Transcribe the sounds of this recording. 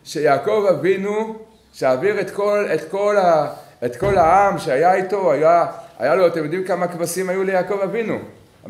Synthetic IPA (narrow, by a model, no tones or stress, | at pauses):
ʃejaːko̞vavinu | ʃeaːviʁe̞t̪kolet̪kola | et̪ko̞lhaamʃeajait̪o̞ajaa̰jaloat̪emjo̞d̪imkamakvasimajulejaːko̞vavinṵ